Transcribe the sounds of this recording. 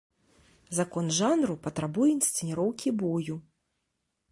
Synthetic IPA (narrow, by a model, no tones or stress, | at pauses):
zakɔnʐanɾupɐt̪ɾabujɛinst̪sɨnʲiɾɔwkʲibɔju